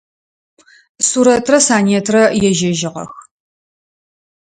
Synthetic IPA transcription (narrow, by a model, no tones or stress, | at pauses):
suːɾɐtʰrɐsaːneːtʰrɐjɛʒɐʒɪʁɐ̰x